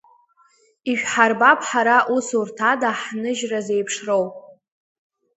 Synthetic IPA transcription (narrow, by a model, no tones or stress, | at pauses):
iʃᶣħarbapʰħaɾaʔusurtʰadaħnɨʒraze̞jpʰʂro̞wpʼ